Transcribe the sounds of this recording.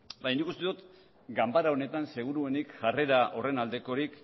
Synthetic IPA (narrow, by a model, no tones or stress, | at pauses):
bajnikust̪eðut̪ | ɡambaɾao̞ne̞t̪anse̞ɣ̞uɾue̞nikʝare̞ɾaʔo̞re̞nald̪e̞ko̞ɾik